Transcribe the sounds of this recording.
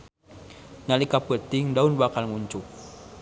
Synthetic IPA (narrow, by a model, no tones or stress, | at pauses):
nalikapət̪iŋdaunbakalŋuɲt͡ʃuk̚